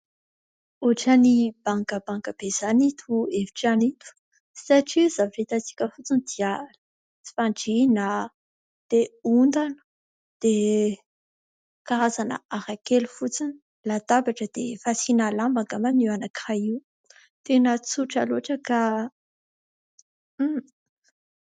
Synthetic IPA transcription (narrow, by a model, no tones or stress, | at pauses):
uʈ͡ʂanib̥aŋkəbaŋkəb̥ez̥anit̪ʰuevi̥ʈ͡ʂanit̪u̥ | saʈ͡ʂizaviret̪at͡si̥kʲəfut͡sinid̪ial | t͡si̥faɳʈ͡ʂina | d̪̥eund̪anə̥ | d̪̥e | kaɾazanə̰aɾakelufut͡sini | lat̪abaʈ͡ʂəd̪̥efasinalambaɡamaniwanakaiw | t̪enət͡suʈ͡ʂa̰loaʈ͡ʂəka